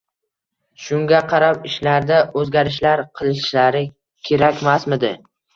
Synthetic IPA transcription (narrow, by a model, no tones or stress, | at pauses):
ʃʊŋɡʲaqʰɑɾapɪʃlaɾd̪aɵzɡʲaɾɪʃ̬laɾqʰɨlˠɪʃlaɾɪ | kʲʰe̞ɾakʲmasmɪd̪ɪ